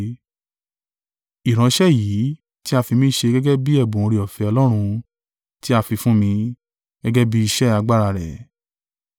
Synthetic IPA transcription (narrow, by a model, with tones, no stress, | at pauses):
i˨ɾ̃ã˨˧ʃɛ˦˨jiː˨˦ | ti˦a˧fi˧mĩ˦ʃe˧ɡɛ˦ɡɛ˦bi˦ɛ˦˨bõ˨õ˧ɾi˨ɔ˨fɛ˧ɔ˧lɔ˦ɾ̃ũ˧ | ti˦a˧fi˧fũ˦mĩ˧ | ɡ̥ɛ˦ɡɛ˦bi˦i˧ʃɛ˦a˧ɡ͡ba˦˨ɾa˧ɾɛ˨